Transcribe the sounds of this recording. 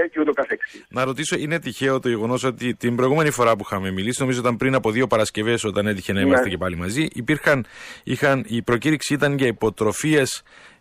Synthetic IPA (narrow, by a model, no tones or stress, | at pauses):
eceut̪okɐθeksinɐɾo̞t̪iso̞ine̞t̪içe̞ot̪oʝeɣo̞no̞so̞t̪it̪imbɾo̞iɣume̞nifo̞ɾɐpuixɐmemilisino̞mizoo̞t̪ɐmpɾinɐpo̞ðio̞pɐɾɐsce̞ve̞so̞t̪ɐne̞t̪içe̞nɐimɐsecepɐlimɐziʔipiɾxɐnixɐnipɾo̞ciɾiksiit̪ɐɲceipo̞t̪ɾo̞fie̞s